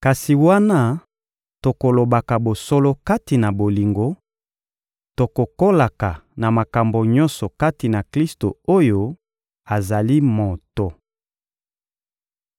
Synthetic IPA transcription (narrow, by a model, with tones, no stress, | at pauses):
ka˨si˨wa˦na˦ | to˨ko˨lo˨ba˨ka˨bo˨so˦lo˦ka˦ti˨na˨bo˨li˨ŋɡo˦ | to˨ko˨ko˦la˨ka˨na˨ma˨ka˨mbo˨ɲɔ˦nsɔ˨ka˦ti˨na˨kli˦sto˨o˦jo˦ | a˨za˨li˦mo˨to˨